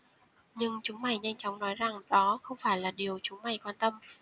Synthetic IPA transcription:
ɲɨ˧ŋt͡ɕʊ˨˦ŋ͡mma˨˩jɲa˧jŋ̟t͡ɕɔ˨˦ŋ͡mnɔ˨˦jza˨˩ŋɗɔ˨˦xə˧wŋ͡mfaː˧˩jlaː˨˩ɗi˨˩əwt͡ɕʊ˨˦ŋ͡mma˨˩jkwaː˧nt̪ə˧m

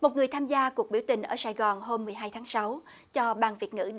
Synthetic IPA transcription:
mo˨˩t̚ŋɨ˨˩əjt̪ʰaː˧mzaː˧ku˨˩ək̚ɓi˧˩əwt̪ï˨˩ŋ̟ʔəː˧˩saː˧˩jɣɔ˨˩nɦo˧mːɨ˨˩əjɦaː˧jt̪ʰaː˨˦ŋsa˨˦w | t͡ɕɔ˧ɓaː˧nvi˨˩ət̚ŋɨ̰˧˥

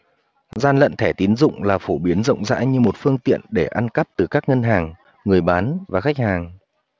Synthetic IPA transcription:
zaː˧nlə̰˧˨nt̪ʰɛ˧˩t̪i˨˦nzʊ̰˧˨ŋ͡mlaː˨˩fo˧˩ɓi˨˦ənzə̰˧˨wŋ͡mza̰ː˧˥ɲɨ˧mo˨˩t̚fɨ˧əŋt̪ḭ˧˨ənɗe˧˩ʔa˧nka˦˥p̚t̪ɨ˨˩kaː˦˥k̚ŋə˧nɦaː˨˩ŋ | ŋɨ˨˩əjɓaː˨˦nvaː˨˩xa˦˥k̚haː˨˩ŋ

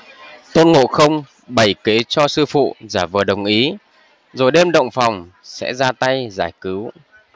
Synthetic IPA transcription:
t̪o˧nŋo̰˧˨xə˧wŋ͡m | ɓə˧˩jke˨˦t͡ɕɔ˧sɨ˧fṵ˧˨zaː˧˩vɨː˨˩əɗə˨˩wŋ͡mʔi˨˦ | zo˨˩jɗe˧mɗə̰˧˨wŋ͡mfa˨˩wŋ͡m | sɛ̰˧˥zaː˧t̪a˧jzaː˧˩jkɨ˨˦w

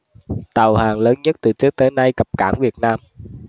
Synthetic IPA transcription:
t̪a˨˩whaː˨˩ŋləː˨˦nɲə˦˥t̚t̪ɨ˨˩t͡ɕɨ˨˦˥ək̚t̪əː˨˦na˧jkə˨˩p̚kaː˧˩nvi˨˩ət̚naː˧m

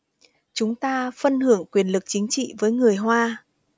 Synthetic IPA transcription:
t͡ɕʊ˨˦ŋ͡mt̪aː˧fə˧nhɨ˧˩əŋkwi˨˩ənlɨ˨˩k̚t͡ɕï˨˦ŋ̟t͡ɕḭ˧˨vəː˨˦jŋɨ˨˩əjɦwaː˧

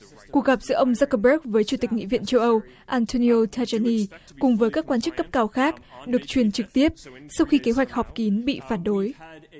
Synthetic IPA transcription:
ku˨˩ək̚ɣa˨˩p̚zɨ̰˧˥əʔə˧wŋ͡mzaː˦˧˥kːə˧ɓə˦˥k̚vəː˨˦jt͡ɕu˧˩t̪i̟˨˩ŋḭ˧˨vḭ˧˨ənt͡ɕə˧wʔə˧w | ʔaː˧nt̪ʰo˧ni˧o˧t̪ʰa˧t͡ɕa˧ni˧ | kʊ˨˩ŋ͡mvəː˨˦jkaː˦˥kwaː˧nt͡ɕɨ˦˥kːə˦˥p̚kaː˧wxaː˦˥k̚ɗɨ˨˩ək̚t͡ɕwi˨˩ənt͡ɕɨ˨˩k̚t̪i˦˥əp̚sa˧wxi˧ke˨˦ɦwa˨˩jk̟̚hɔ˨˩p̚ki˨˦nɓḭ˧˨faː˧˩nɗo˨˦j

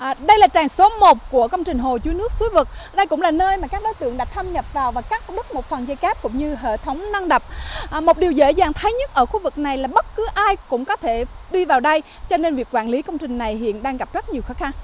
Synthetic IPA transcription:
ʔɗə˧jlaː˨˩t͡ɕaː˨˩ŋso˨˦mo˨˩t̚ku˧˩əkə˧wŋ͡mt͡ɕï˨˩ŋ̟ɦo˨˩t͡ɕu˨˧˦nɨ˦˥ək̚su˨˦jvɨ˨˩k̚ɗə˧jkʊ̰˧˥ŋ͡mlaː˨˩nəː˧jmaː˨˩kaː˦˥k̚ɗo˨˦jt̪ɨ̰˧˨əŋɗa˨˩k̚t̪ʰə˧mɲə˨˩p̚vaː˨˩wvaː˨˩wkaː˦˥k̚ɗɨ˦˥k̚mo˨˩t̚fə˨˩nzə˧jkaː˦˥p̚kʊ̰˧˥ŋ͡mɲɨ˧ɦḛ˧˨t̪ʰə˨˦wŋ͡mna˧ŋɗə˨˩p̚ːmo˨˩ɗi˨˩əwzḛ˧˥zaː˨˩ŋt̪ʰə˨˦jɲə˦˥t̚ʔəː˧˩xu˧vɨ˨˩k̚na˨˩jlaː˨˩ɓə˦˥t̚kɨ˨˦ʔaː˧jkʊ̰˧˥ŋ͡mkɔ˨˦t̪ʰe˧˩ɗi˧vaː˨˩wɗə˧j | t͡ɕɔ˧ne˧nvi˨˩ək̚kwaː˧˩nli˨˦kə˧wŋ͡mt͡ɕï˨˩ŋ̟na˨˩jɦḭ˧˨ənɗaː˧ŋɣa˨˩p̚zə˦˥t̚ɲi˨˩əwxɔː˨˦xa˧ŋ

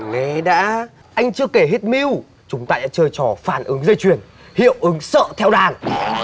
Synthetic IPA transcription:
ŋe˨˦ɗa̰ː˧˥ | ʔa˧jŋ̟t͡ɕɨ˧əke˧˩ɦe˦˥t̚mi˧w | t͡ɕʊ˨˦ŋ͡mt̪aː˧ɗa̰ː˧˥t͡ɕəː˧jt͡ɕɔ˧˩faː˧˩nʔɨ˨˦ŋzə˧jt͡ɕwi˨˩ən | hḭ˧˨əwʔɨ˨˦ŋsə̰ː˧˨t̪ʰɛ˧wɗaː˨˩n

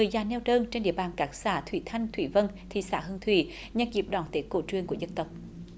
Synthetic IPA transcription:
ɨ˨˩əjzaː˨˩nɛ˧wtəː˧nt͡ɕe˧nɗḭ˧˨əɓaː˨˩nkaː˨˦˥k̚saː˧˩t̪ʰwḭ˧˩t̪ʰa˧jŋ̟t̪ʰwi˧˩və˧n | t̪ʰḭ˨˧˩sa̰ː˧˩ɦə˧nt̪ʰwḭ˧˩ | ɲa˧ki˨˩əp̚ɗɔː˧˩nt̪e˨˦˥ko˧˩t͡ɕwi˧˨əŋku˧˩zə˧nt̪ə˨˩wk͡p̚

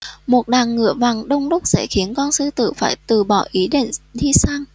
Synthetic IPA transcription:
mo˨˩t̚ɗaː˨˩ŋːɨ̰˧˨əva˨˩ŋɗə˧wŋ͡mɗə˦˥k͡p̚za̰˧˩jxi˨˦ənkɔ˧nsɨ˧t̪ɨ̰˧˨faː˧˩jt̪ɨ˨˩ɓɔ˧˩ʔi˨˦ɗḛ˧˨nt̪ʰi˧saː˧ŋ

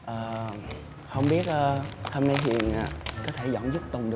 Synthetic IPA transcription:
ʔəː˨˩ | hə˧wŋ͡mɓi˦˥ət̚ʔəː˧ho˧mna˧jtwḭ˨˩ənʔaː˨˩kɔ˨˦t̪ʰe˧˩zɔ̰˧˩nzʊ˦˥k͡p̚t̪ʊ˨˩ŋ͡mɗɨ˨˩

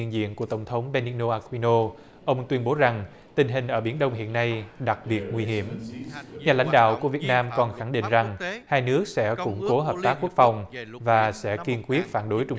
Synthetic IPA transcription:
nzḭ˧˨ənku˧˩ət̪ə˧˩wŋ͡mt̪ʰə˨˦wŋ͡mɓe˧ni˧no˧ʔaː˧kwi˧no˧ | ʔə˧wŋ͡mt̪wi˧ənɓo˨˦za˨˩ŋ | t̪ï˨˩ŋ̟ɦï˨˩ŋ̟ʔəː˧˩ɓi˧˩ənɗə˧wŋ͡mɦḭ˧˨ənːa˧jɗa˨˩k̚ɓi˨˩ət̚ŋwi˧ɦi˧˩əmɲaː˨˩la̰˧˥jŋ̟ɗa̰ː˧˨wku˧˩əvi˨˩ət̚naː˧mkɔ˨˩nxa˧˩ŋɗḭ˧˨ŋ̟za˨˩ŋhaː˧jnɨ˦˥ək̚sɛ̰˧˥kʊ̰˧˥ŋ͡mko˨˦ɦəː˨˩p̚t̪aː˦˥kːu˦˥ək̚fa˨˩wŋ͡mvaː˨˩sɛ̰˧˥ki˧nkwi˦˥ət̚faː˧˩nɗo˨˦jt͡ɕʊ˧ŋ͡m

